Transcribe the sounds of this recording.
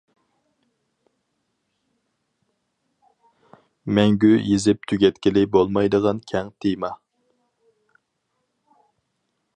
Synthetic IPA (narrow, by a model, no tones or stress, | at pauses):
mɛŋɡʲyjezɪp̚t̪ʰyɡʲɛt̪kʲilɪbolˠmɑjd̪əʁɑnkʲʰɛŋt̪ʰɪjmɑ